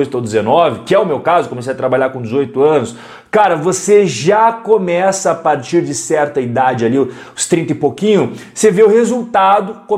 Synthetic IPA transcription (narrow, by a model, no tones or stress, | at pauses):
jt̪ʊawd͡ʒɪzenɔvɪkɪɛʊmewkazʊkõmesejɐt̪ɾabaʎaɾkõd͡ʒɪzojt̪ʊɐ̃nʊs | kaɾɐvoseʒakõmɛsɐːpaɾt͡ʃiɾd͡ʒɪsɛɾt̪ɐid̪ad͡ʒɪaliʊ | ʊst̪ɾĩnt̪ɐɪpokĩɲʊ | seveʊhezuwt̪ad̪ʊkõ